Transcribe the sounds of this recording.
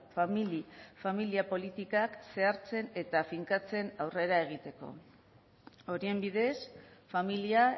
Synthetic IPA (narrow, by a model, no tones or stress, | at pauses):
familifamiliapo̞lit̪ikakse̞aɾt͡se̞ne̞t̪afiŋkat͡se̞nawre̞ɾae̞ɣ̞it̪e̞ko̞̰ | o̞ɾie̞mbiðe̞sfamilia